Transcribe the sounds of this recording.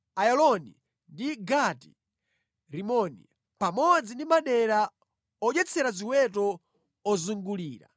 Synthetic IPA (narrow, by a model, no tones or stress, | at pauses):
ajɔlɔni | ndiɡati̥ | ɾimɔnḭ | pamɔd͡zindimaɗɛɾa | ɔʄɛt͡sʰɛɾaziwɛtɔ | ɔzuŋɡuliːɾa̰